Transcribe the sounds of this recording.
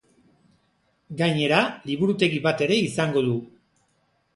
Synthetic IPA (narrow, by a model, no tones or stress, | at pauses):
ɡajɲe̞ɾaliβuɾut̪e̞ɣiβat̪e̞ɾe̞isaŋɡo̞ðu